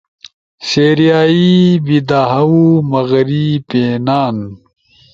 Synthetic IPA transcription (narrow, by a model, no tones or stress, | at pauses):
seːɾijaːibid̪aːɦɐwumɐɣɾipeːnaːn